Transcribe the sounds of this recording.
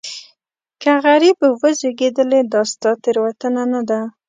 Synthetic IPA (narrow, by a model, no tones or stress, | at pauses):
kaɣaɾibwəzeɡed̪əled̪ɑst̪ɑt̪ɪɾwat̪ənanad̪a